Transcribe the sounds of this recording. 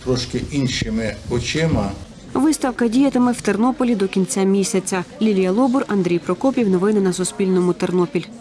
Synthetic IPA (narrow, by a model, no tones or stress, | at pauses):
t̪ɾɔʃkɪʔinʃɪmɪɔt͡ʃɪmɐ | ʋɪst̪ɐwkɐdʲijɐt̪ɪmɛw̥t̪ernɔpɔlʲid̪ɔkʲint͡sʲamʲisʲɐt͡sʲɐlʲilʲijɐlˠɔbʊrɐnd̪ɾʲijpɾɔkɔpʲiwnɔʋɪnɪnɐsʊspʲilʲnɔmʊt̪ernɔpʲilʲ